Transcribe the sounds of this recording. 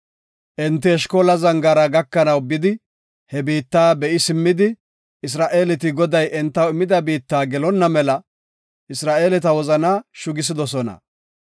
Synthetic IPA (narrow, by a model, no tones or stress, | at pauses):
ʔɛnt̪̬ːɛɛʃko̞ːlɐzɐŋɡaɾɐɡɐkːɐnɐwbɪd̪ɪ | hɛbiːt̪ːaːbɛʔɪsɪmːɪd̪ɪ | ɪs̬ɾaːʔe̞ːlɛt̪ɪɡɔd̪ɐjʔɛnt̪ːɐwɪmːɪd̪ɐbiːt̪ːaːɡɛlɔnːɐmɛlɐ | ʔɪsɾaːʔe̞ːlɛt̪ɐwɔzɐnaːʃʊɡɪs̬ɪd̪ɔsɔnɐ̰